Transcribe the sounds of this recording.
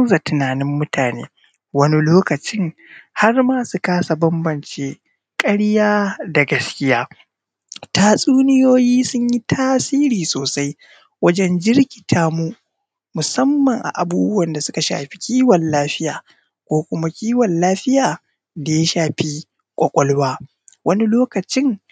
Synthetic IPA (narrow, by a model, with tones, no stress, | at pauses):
ɐ˦za˨tʊ˨naː˨nɪ˦mːʊ˦tʰaː˨nḛː˦ | wɐ˦ni˦loː˦kɐ˨t͡ʃɪ˦ŋha˦rmaː˦su˨kaː˦sa˨bɐ˦mbɐ˨nt͡ʃeː˦ | kʼɐ˦ɽjaː˦da˨ɡɐ˦skʲɪ˦jaː˦ | taː˦sʼuː˦nɪ˦joː˦jiː˦sʊ˦ɲji˦tʰaː˦siː˦ɾiː˨soː˨sa˦j | wɐ˦d͡ʒɛ˦nd͡ʒɪ˦rkʲi̥˨tʰaː˦mu˦ | mʊ˨sɐ˦mːɐ˨ŋʔa̰˨ʔa˨buː˦bʊ˦wɐ˨nda˨sʊ˦ka˨ʃa̰ː˨ɸi̥˦kʲʰiː˦wɐ˨nlaː˦ɸɪ˦jaː˨ | kʷoː˦kʷʊ˦ma˦kʲiː˦wɔ˨nlaː˦ɸɪ˦jaː˨ | da˨ja˦ʃaː˨ɸi˦ | kʷʼɔ˨kʷʼɔ˦lwaː˦ | wʔɐ˦ni˦loː˦kɐ˨t͡ʃɪ˦ŋ